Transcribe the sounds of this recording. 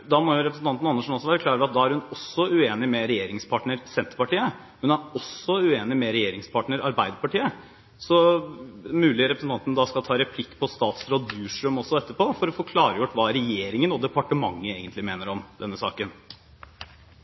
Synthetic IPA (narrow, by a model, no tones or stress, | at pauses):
d̪ɑmɔjʊɾɛpɾəsn̩t̪ɑnt̪nɑnːəʂɔn̩ɔsːɔʋæːɾəkʰlɑːɾəɾɑt̪̚d̪ɑːæɾhʉnɔsːɔʉeːnɪmɛɾɛjeːɾɪŋspʰɑʈɳəɾsɛnt̪əɾpɑʈiːə | hʉnæɾɔsːɔʉeːnɪmɛɾɛjeːɾɪŋspʰɑʈɳəɾɑ̰ɾbæɪd̪əpɑʈiːə | sɔ | mʉːlɪɾɛpɾəsn̩t̪ɑnt̪ənəd̪ɑskɑlt̪ʰɑːɾɛpʰlɪkːpʰɔst̪ɑːt̪sɾoːd̪ʉːʂɾʉmɔsɔɛt̪ːəɾpoːfɔɾɔfoːkʰlɑːɾəjʊʈːʋɑːɾɛjeːɾɪŋənɔd̪ɛpɑʈəmɑŋːəeːɡənt̪lɪmeːnəɾɔmd̪ɛnːəsɑ̰ːkən